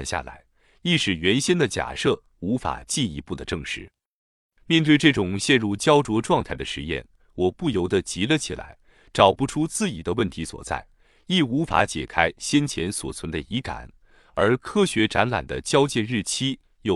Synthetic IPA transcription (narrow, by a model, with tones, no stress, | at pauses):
nɕja̰˥˩la̰˧˥ɪ | i˥˩ʂɻ̩˨˩ɥɛ˧˥nɕɛ˥nd̪ə˨t͡ɕja̰˨˩ʂɤ˥˩ | u˧˥fa̰˨˩t͡ɕi˥˩ni˧˥pu˥˩d̪ə˩ʈ͡ʂɤ˥˧ŋʂɻ̩˥˩ | mjɛ˥˧nt̪̬we˥˧ɪʈ͡ʂɤ˥˩ʈ͡ʂʊ˨˩ŋɕjɛ˥˧nɻu˥˧t͡ɕjɑ˥ʊʈ͡ʂwɔ˧˥ʈ͡ʂwɑ˥˧ŋt̪ʰa˥˩ɪd̪ə˩ʂɻ̩˧˦jɛ̰˥˩n | wɔ˨˩pu˥˩jo˧˩ʊd̪ə˧t͡ɕi˧˥lə˧t͡ɕʰḭ˨˩la̰˧˥ɪ | ʈ͡ʂɑ˨˩ʊpu˧˥ʈ͡ʂʰu˥t͡sɹ̩˥˩t͡ɕi˨˩d̪ə˦wə˥˩nt̪ʰi˧˥swɔ̰˨˩t͡sa̰˥˩ɪ | i˥˩u˧˥fa̰˧˥t͡ɕjɛ̰˨˩kʰa˥ɪɕjɛ˥nt͡ɕʰjɛ˧˥nswɔ̰˨˩t͡sʰwə˧˥nd̪ə˧i˧˥ka̰˨˩˦n | ə˞˧˥kʰɤ˥ɕɥɛ˧˥ʈ͡ʂa˧˥nla̰˨˩nd̪ə̰˦t͡ɕjɑ˥ʊt͡ɕjɛ˥˧nɻɻ̩˥˩t͡ɕʰi˥ | jo˥˩